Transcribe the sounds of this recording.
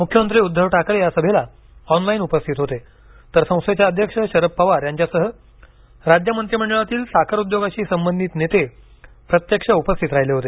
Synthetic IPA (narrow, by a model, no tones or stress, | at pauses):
mukʰjəmənt̪ɾiːud̪ʱːəʋʈʰakɾejasəbʱela | ɔnlainupəst̪ʰit̪ɦot̪e | t̪əɾsə̃w̃st̪ʋet͡ɕjaəd̪ʱjəkʂəɕəɾəpːəʋaɾjaɲt͡ɕjasəɦə | ɾad͡ʑjəmənt̪ɾiməɳɖəɭat̪iːlsakʰəɾud̪joɡaɕiːsəmbənd̪ʱiːt̪net̪e | pɾət̪jəkʂəupəst̪ʰit̪ɾaɦileɦot̪e